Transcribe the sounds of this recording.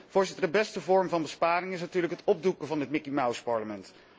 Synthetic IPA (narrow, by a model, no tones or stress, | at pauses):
v̥ʊːɹzɪtəɹdəbɛstəvɔɹmvɑnbəspaːɾɪŋɪsnatyːɹləkɦətɔb̚dukəvɑnɦət̚mɪkimawspɑɹləmɛnt